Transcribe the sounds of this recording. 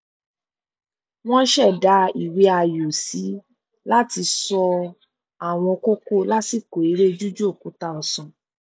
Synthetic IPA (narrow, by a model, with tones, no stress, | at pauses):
w̃ɔ̃˦ʃɛ˦˨da˨˦i˨we˨˦a˧jo˨si˨˦ | la˦ti˧sɔ˧ | a˨w̃ɔ̃˧ko˦ko˦la˦ti˦˨ko˨i˨˦ɾe˦d͡ʒu˦d͡ʒu˦o˦˨kũ˨˦ta˧ɔ˧sɔ̃˨